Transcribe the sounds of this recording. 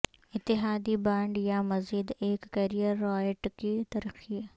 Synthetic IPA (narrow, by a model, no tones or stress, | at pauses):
ɪt̪ːɪɦaːd̪ibãːɳɖjamɐziːd̪eːkːɐɾijəɾːɔːjʈkit̪ɐɾəxi